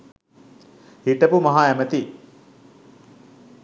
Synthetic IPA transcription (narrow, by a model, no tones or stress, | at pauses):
hiʈəpumaɦaæmət̪i